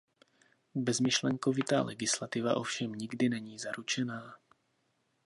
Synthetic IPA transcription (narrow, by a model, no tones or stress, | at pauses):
bɛzmɪʃlɛŋkovɪt̪a̰ːlɛɡɪslat̪ɪva̰ʔo̞fʃɛmɲɪɡdɪnɛɲiːzaɾut͡ʃɛnaː